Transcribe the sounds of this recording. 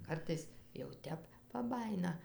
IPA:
ˈkɐrtɐɪs jɛʊ ˈtʲɛp pɐˈbɑːjɪnɐ

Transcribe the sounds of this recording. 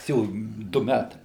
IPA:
jɪs ˈjɛʊ ˈdʊ ˈmʲætɐɪ

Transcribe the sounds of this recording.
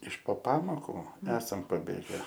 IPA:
ɪʃ poː ˈpɑːmoːkuː ˈæːsɐm pɐˈbʲeːɡʲɛ

